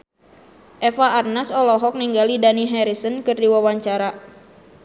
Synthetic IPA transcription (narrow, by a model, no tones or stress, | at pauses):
ʔɛfaːrnasɔlɔɦɔk̚niŋɡalidaniɦɛɾisənkɨrdiwawaɲt͡ʃaɾa